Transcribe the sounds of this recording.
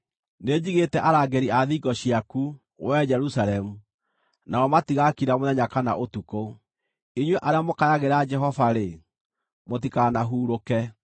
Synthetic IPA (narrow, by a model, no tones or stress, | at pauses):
ned͡ʑiɣetɛʔaɾaɡɛɾiaðiɡɔɕiaku | wɛd͡ʒɛɾusaɾɛmu | naɔmatiɣakiɾamoðɛɲakanaʔotuko | iɲweʔaɾeamokajaɣeɾad͡ʒɛɦɔvaɾe | mot̬ikanaɦuːɾokɛ